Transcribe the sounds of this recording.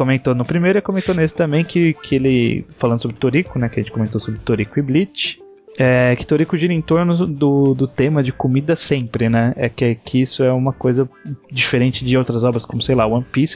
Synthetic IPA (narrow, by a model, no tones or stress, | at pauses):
komẽnt̪onʊpɾimejɾelɪkõmẽnt̪onesɪ̥t̪ɐ̃mbẽj̃kɪkʰɪelɪfalɐ̃d̪ʊsobɾɪt̪oɾikʊnɛkɪɛɐʒẽt͡ʃɪkomẽnt̪osobɾɪt̪oɾikʊɪblit͡ʃɪ̥ | ɛkɪ̥t̪oɾikʊʒiɾɐẽt̪oɾnʊd̪ʊd̪ʊt̪ẽmɐd͡ʒɪkomid̪ɐsẽpɾɪnɛɛkɛkʰɪisʊɛũmɐkojzɐd͡ʒifeɾẽnt͡ʃɪd͡ʒɪowt̪ɾɐzɔbɾɐskõmʊsejlawɐ̃pis